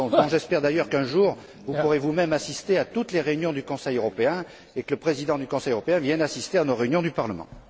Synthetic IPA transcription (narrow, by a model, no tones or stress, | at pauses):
d̪ɔ̃ʒɛspɛʁd̪ajœʁkɛ̃ʒuʁ | vupuʁevumɛmasist̪eat̪ut̪leʁeynjɔ̃d̪ykɔ̃sɛjøʁɔpeɛ̃ | ekələpχezid̪ɑ̃d̪ykɔ̃sɛjøʁɔpeɛ̃vjɛ̃nasist̪eanoʁeynjɔ̃d̪ypaʁləmɑ̰̃